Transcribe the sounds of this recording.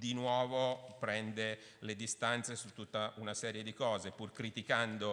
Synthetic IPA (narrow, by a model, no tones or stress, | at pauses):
d̪inwɔːvopɾɛnd̪e | led̪ist̪ant̪sesut̪ːut̪ːaʔunasɛːɾjed̪ikɔːzepurkɾit̪ikand̪o